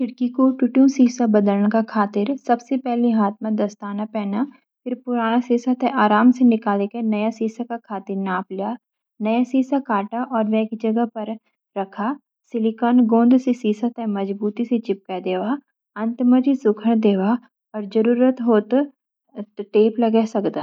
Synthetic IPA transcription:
kʰɪɽkikoʈʊʈjũsiːsabɐd̪ələɽ̃kakʰaːt̪ɪɾsɐbsepɛɦleɦaːt̪̚mãd̪ɐst̪aːnapɛːna | pʰɪɾpʊɾaːñasiːsət̪ɛʔaːɾaːmsenɪkaːlekenɐjasiːsakakʰaːt̪ɪɾnaːplijaː | nɐjasiːsakaːʈaʔɔːɾʋɛ̃kid͡ʒɐɡəpɐɾ | ɾɐkʰa | sɪlɪkaːnɡõːnd̪sesiːsət̪ɛmɐd͡ʒbuːt̪iset͡ʃɪp̚kad̪eːʋaː | ɐ̃nt̪məd͡ʒisʊkʰəɽ̃d̪eːʋa | ɔːɾd͡ʒɐɾuːɾət̪ɦoːt̪ | ʈeːplɐɡɛsɐkd̪aː

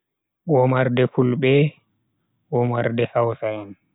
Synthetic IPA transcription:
ɓɔmaɾdɛfulɓɛ | wɔmaɾdɛhawsajan

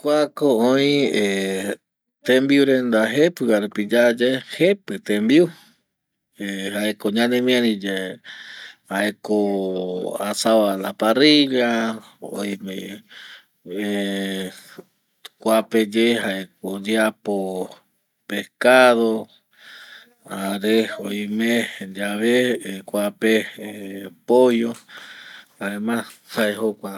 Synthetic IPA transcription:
kʷakooĩe | t̪ẽmbiuɾẽnd̪aɦepɨaɾupid͡ʒad͡ʒehepɨt̪ẽmbiu | ehaekoɲãnẽmĩãɾĩd͡ʒe | haʔeko | asaβalapariʎa | o̰jĩmḛ̃ | e | kʷaped͡ʒeɦaekod͡ʒiapo | pehkaðo | aɾeojmẽd͡ʒaβekʷape | pohjo | aemãshaeɦokʷa

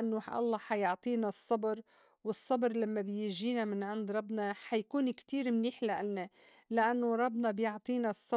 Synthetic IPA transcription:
ʔanːoħʔɑ̰lˤːɑːħajʊʕt̪ˤiːnɑsˤːɑbɾ | wɨsˤːɑbɾˤlamːabjɪʒiːnamɪnʕɪnd̪ɾˤɑbnɑħajkuːnkt̪iːɾmniːħlaʔalːalaʔanːoɾˤɑbːnɑbjʊʕt̪ˤiːnɑsˤːɑ

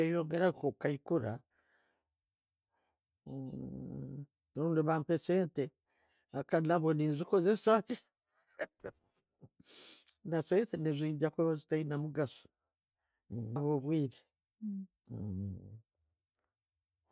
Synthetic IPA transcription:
ejoŋɡeɾakokaikuɾa | ɾuːndiβaːmpeseːnte | akanaβwoniːnzikozesaki | nasaesenizʷiːɟakeβazitainamuɡaso̥ | naβoβwiːɾe

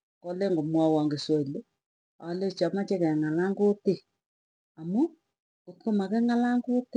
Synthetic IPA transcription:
kɔleŋɡomwɔwɔŋɡeswɔlo | a̰let͡ʃamat͡ʃekɛŋalaŋɡote | amʊ | otkomakɛŋalaŋɡot

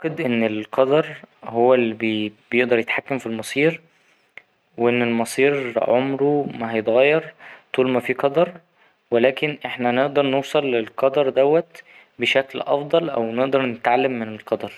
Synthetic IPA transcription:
qed̪ʔenːelqɑd̪ɑɾˤhowːælːibbjeʔd̪ɑɾˤjet̪ħakːæmfilmɑsˤiːɾ | weʔenːelmɑsˤiːɾʕomɾumæhɑjet̪ɣæjːɑɾˤt̪ˤuːlmæfiːqɑd̪ɑɾˤ | welæːkenʔeħnæneʔd̪ɑɾˤnowːsˤɑlːelqɑd̪ɑɾˤd̪æwːæt̪ | beʃæklʔɑ̰fd̪ˤɑlʔæ̰wneʔd̪ɑɾˤnet̪ʕalːæmːenelqɑd̪ɑɾˤ

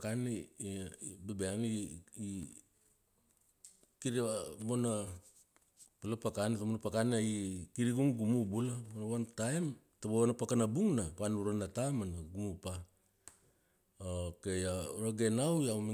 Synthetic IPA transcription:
kani | bebeanii | kiɾmona | palapakanitamonapakanaikiɾiɡuŋɡumubulamonawantajm | tabawanapakanabuŋnapanuɾanatamanaɡumupa | okejaoɾaɡenawjami

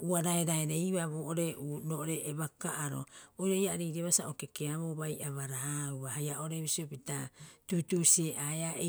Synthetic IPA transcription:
uaɾaeɾaeɾeiβaβoːʔoɾeunoʔoɾeʔːβakaʔaɾo̞̰ojɾoiaɾiɾieβasaokekeaβoβajʔaβaɾauahajaoɾeβisiopitatutusieʔaeae

